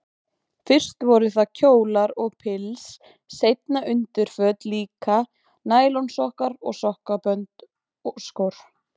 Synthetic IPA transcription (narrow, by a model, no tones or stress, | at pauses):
fɪr̥st̪vɔɾʏθaðcʰoːwlaɾɔɣpʰɪlsː | ejt̪naʔʏnt̪ɪɾ̥fœːt̪liːka | naːjlownsɔhkaɾɔ̰ɣsɔhkapœnt̪ | skowɾ̥